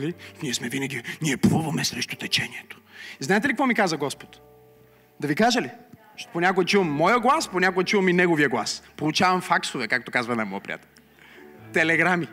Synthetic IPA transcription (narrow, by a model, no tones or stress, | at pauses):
linʲiɛsmɛvinɛɡʲiniɛplɔvɐmɛsɾɛʃt̪ot̪ɛt͡ʃɛnʲiɛt̪o̥znaɛt̪ɛlikvɔmikazɐɡɔspo̥t̪ | d̪ɐvikaʒəli | ʃponʲakoɡɛt͡ʃuvəmːɔjəɡlˠasponʲakoɡɛt͡ʃuvəminɛɡoviəɡlˠaspolˠut͡ʃavɐmfaksovɛkak̚t̪okazvɐnɐmɔ̰jəpɾḭa̰t̪ɛlʲ | t̪ɛlɛɡɾami